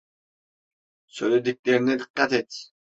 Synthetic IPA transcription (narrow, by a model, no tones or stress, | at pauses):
søjled̪ik̚ʲleɾinɛd̪ɨqːat̪et̪